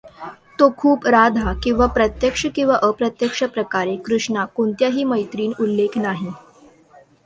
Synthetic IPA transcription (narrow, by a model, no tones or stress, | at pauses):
t̪okʰuːpɾad̪ʱakĩw̃ʋapɾət̪jəkʂəkĩw̃ʋaʔəpɾət̪jəkʂəpɾəkaɾekɾuʂɳakoɳt̪jaɦiːməjt̪ɾiːnulːekʰnaɦi